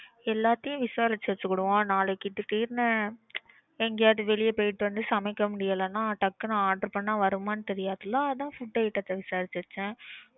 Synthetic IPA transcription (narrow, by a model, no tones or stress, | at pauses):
ɛlːaːt̪ːɪjʊ̃ʋɪsaːɾɪt͡ʃːɐɾt͡ʃːɯkːʊɽɯʋõːnaːlɐkːɪt̪ːɯʈiːɾnɯ | ɛŋɡɐjaːðɯʋɛɭɪjɐpoːjɪʈːɯʋɐnd̪ɯsɐmɐɪkːɐmʊɽɪjɐlɐnːãːʈɐkːɯnãaːɖɐɾpɐɳːãːʋɐɾɯmaːnɯt̪ɛɾɪjaːðɯlːaːɐðãːfʊʈːɐɪʈːɐt̪ːɐʋɪsaːɾɪt͡ʃːɐɾt͡ʃːɛ̃